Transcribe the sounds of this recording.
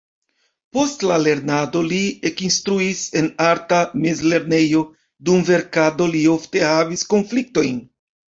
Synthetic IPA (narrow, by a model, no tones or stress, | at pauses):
po̞stlale̞ɾnado̞liekinstɾuise̞naɾtame̞zle̞ɾne̞jo̞ | dumve̞ɾkado̞lio̞fte̞havisko̞nflik̚to̞jn